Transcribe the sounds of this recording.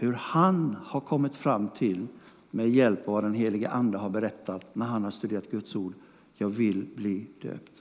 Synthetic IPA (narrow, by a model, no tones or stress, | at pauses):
hɵɾhanhaɾkʰɔmːɪt̪fɾamːt̪ʰɪl | meːd̪jɛlpɔvad̪ɛnɦeːlɪɡəʔand̪əɦaɾbɛɾɛt̪ʰːat̪næɾɦanhaʂt̪ɵd̪eːɾat̪̚ɡɵt̪suːɖ | jɑːɡvɪlbliːd̪̥ø̰ːpt̪